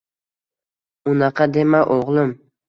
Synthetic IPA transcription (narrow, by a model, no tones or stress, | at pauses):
ʊnɑqʰɑd̪emaʔoʁlˠʊm